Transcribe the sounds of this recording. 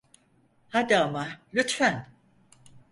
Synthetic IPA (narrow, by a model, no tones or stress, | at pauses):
had̪aamalʲyt̪fæn